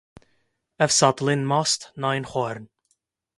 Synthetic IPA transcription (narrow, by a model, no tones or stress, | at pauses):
əvsɔt̪lɪnmɔst̪najnχɔɾn